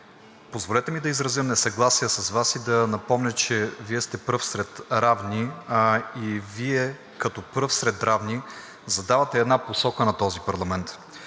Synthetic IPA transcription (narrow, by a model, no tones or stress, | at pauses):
pozvolɛt̪ɛmid̪ɐizɾɐzəmnɛsɐɡlˠasijəsɐzvasid̪ɐnɐpɔmnʲət͡ʃɛviɛst̪ɛpɤfsɾɛt̪ɾavni | iviɛ | kɐt̪ɔpɾɤfsɾɛd̪ɾavni | zɐd̪avɐt̪ɛɛd̪naposɔkənɐt̪ɔzipɐɾlˠɐmɛnt̪